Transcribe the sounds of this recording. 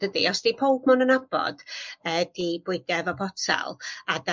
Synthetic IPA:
d̥ədḭɔsd̥ipʰowbmʊnənab̥ɔ̰d̥əːdibwɪdɛvɔpʰɔtʰa̰lˠada

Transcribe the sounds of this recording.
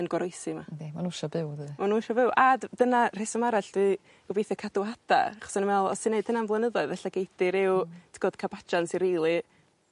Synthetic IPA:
ənɡɔɾɔjsɨmanemanuʃabɨwðɨmanuʃɔvɪwʔaddənar̥esəmaɾaɬd̥wɨ | ɡʊbejθɛkʰaduhada̰aχɔ̥sənəmɛlˠɔ̰sɪneɨdənanvlˠənəðɔɨðvɛɬaɡejdɪɾɪwtʰɡɔd̥kʰabat͡ʃansiɾiːlˠi

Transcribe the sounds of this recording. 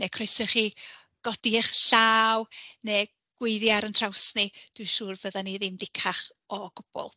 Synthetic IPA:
nekʰrejsɔχi | ɡ̥ɔdiχɬaːwneː | ɡ̥wɪɨðjaɾəntʰr̥awsnid̥wiʃuːrvəðaniðɪmdɪkʰaχ | ɔɡ̥ʊb̥ɔ̰lˠ

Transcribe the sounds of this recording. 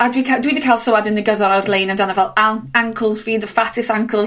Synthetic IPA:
ədwikʰɛdəwidəkʰɛlˠsowadɪ̃nðəɡəðəɾaðlejnəndanəvɛlˠãŋkʰəlˠzwiːðəfatɪsãŋkʰəlˠz

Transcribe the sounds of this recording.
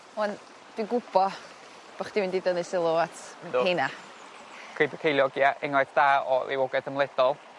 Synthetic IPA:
ɛn | d̥wiɡʊb̥ɔ | b̥aχd̥iwɪndidənɨsɪlˠoatʰhena | kʰrejbɛkʰejlˠjɔɡiaʔɪŋlˠɛdd̥aːɔḭwɔɡɛθəmlˠɛd̥ɔlˠ

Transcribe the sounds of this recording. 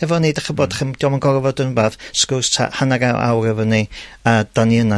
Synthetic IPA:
hɛvɔnidaχəboːdaχəmd̥ɔmanɡɔrvɔdənbaːθskostʰa̰hanaɡawa̰wrɛvɔniad̥aniəna

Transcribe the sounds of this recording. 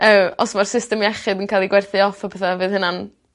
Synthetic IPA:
əɔsmarsɪstɛmjɛχɨdənkʰaːjlˠiɡwɛrθɨɔfɔbʰɛθavɨːðhənan

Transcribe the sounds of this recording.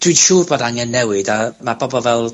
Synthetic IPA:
d̥wid̥ʃuːrboːdaŋɛnːɛwɨdamab̥ɔbɔvɛlˠ

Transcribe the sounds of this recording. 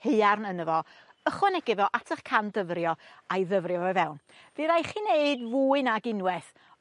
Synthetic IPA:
heɨarnənəvɔ | əχwɔnɛɡɪvɔʔatʰəχkʰandəvrjɔajðəvrjɔvɔvɛwn | v̥ɨðajχiːneɨdvuːɨnaɡɪnwɛθ

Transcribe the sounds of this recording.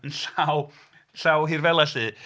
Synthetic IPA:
ənɬaw | ɬawɦirvɛlˠasɨː

